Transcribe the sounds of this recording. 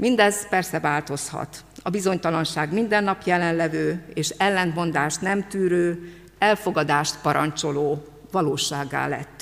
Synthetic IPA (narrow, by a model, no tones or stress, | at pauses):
mind̪ɛzpɛrsɛvaːlt̪o̞shɒ̰t̪ɒbizo̞ɲt̪ɒlɒnʃaːɡmind̪ɛnːɒpjɛlɛnlɛvøːeːʃɛlːɛnmo̞nd̪aːʃt̪nɛmt̪yːɾøː | ɛlfo̞ɡɒd̪aːʃt̪pɒɾɒɲt͡ʃo̞loː | vɒloːʃaːɡːa̰ːlɛ̰t̪ː